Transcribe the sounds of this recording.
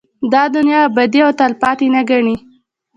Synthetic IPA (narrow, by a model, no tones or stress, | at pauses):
d̪ɑd̪ʊnjɑbad̪iawt̪alpɑt̪enaɡaɳi